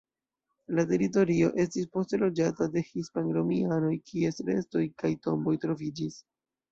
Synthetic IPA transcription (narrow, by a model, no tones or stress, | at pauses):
late̞ɾito̞ɾio̞̰ʔe̞stispo̞stelo̞d͡ʒatade̞hispanɾomiano̞jkʰie̞sɾe̞̰sto̞jkajto̞mbo̞jtɾo̞vid͡ʒis